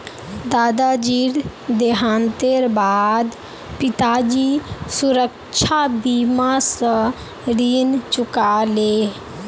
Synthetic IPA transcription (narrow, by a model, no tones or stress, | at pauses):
d̪aːd̪ad͡ʒiːɾ | d̪eɦãːnt̪eɾbaːd̪ | pɪt̪ad͡ʒisʊɾək | ʃʰabiːmasə̃ | ɾiːnt͡ʃʊkaleː